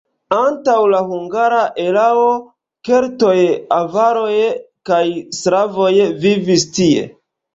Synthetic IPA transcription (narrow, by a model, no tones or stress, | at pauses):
antawlahuŋɡaɾaʔe̞lao | ke̞ɾto̞javaɾo̞jkajsɾavojvivistie̞̰